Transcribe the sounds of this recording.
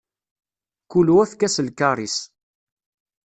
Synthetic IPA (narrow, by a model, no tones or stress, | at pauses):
kuluæθkæsəlkaɾˤis